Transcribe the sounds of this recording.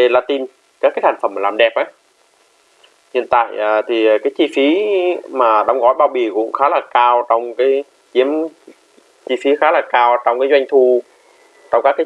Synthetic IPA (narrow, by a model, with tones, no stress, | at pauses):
e˨˩laː˧˩t̪i˧n | kaː˦˥kːaː˨˦jt̪a˨˩jŋfə˧˩mːaː˨˩laː˨˩mɗɛ˨˩p̚ʔaː˨˦ | hḭ˧˨ənt̪a̰ː˧˨jəː˨˩t̪ʰi˨˩˨kaː˨˦jt͡ɕi˧fi˨˦maː˨˩ɗɔ˨˧˦wŋ͡mɣɔ˨˦jɓaː˧wɓi˨˩kʊ̰˧˥ŋ͡mxaː˨˦laː˨˩kaː˧wt͡ɕɔ˧wŋ͡mkaː˨˦j | t͡ɕi˨˦əm | t͡ɕi˧fi˨˦xaː˨˦laː˨˩kaː˧wt͡ɕɔ˧wŋ͡mkaː˨˦jzwa˧jŋ̟t̪ʰu˧ | t͡ɕɔ˧wŋ͡mka˦˥kːaː˨˦